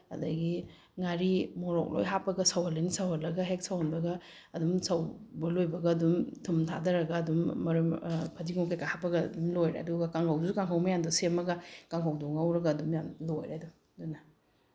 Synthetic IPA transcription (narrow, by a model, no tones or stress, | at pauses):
ɐ̰dɐ̰ɡi | ŋaɾimoɾɔ̰k̚lo̰jɦapːɐɡɐsɐwhɐlːɐnisɐwhɐlːɐɡɐɦek̚sɐwhɐnbɐɡɐ | ɐdumsɐwbɐlojbɐɡɐɐdumtʰumtʰa̰dɐɾɐɡɐdumːɐɾumpʰɐdiɡuŋkʰajkahapːɐɡɐdumlojɾḛɐ̰duɡɐkaŋkʰawusukaŋkʰawmɐjandusemɐɡɐkaŋkʰawduŋawɾɐɡɐːdumjamlojɾedu | dunɐ